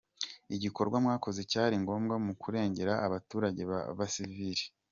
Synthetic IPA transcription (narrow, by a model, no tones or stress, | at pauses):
iɟiko̞ɾɡwamŋaːko̞zecaːɾiŋɡo̞ːmɡamukʰuɾe̞ːɲɟe̞ɾaːβatuːɾaɟe̞βa̰βasiviɾi